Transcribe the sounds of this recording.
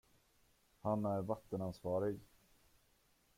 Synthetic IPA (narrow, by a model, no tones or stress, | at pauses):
hanæɾvat̪ːənansvɑːɾɪɡ